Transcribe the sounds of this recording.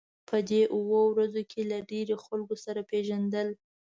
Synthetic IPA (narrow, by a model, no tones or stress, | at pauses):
pəd̪eʔuwowɾazokʰelaɖeɾoxalɡosaɾapeʒand̪əl